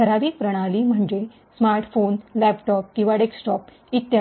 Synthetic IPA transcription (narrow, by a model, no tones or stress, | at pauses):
əɾaʋiːpɾəɽ̃aliːm̤əɳd͡ʑe | smaɾʈfonlæpʈɔp̚kĩw̃ʋaɽeksʈɔp | it̪ja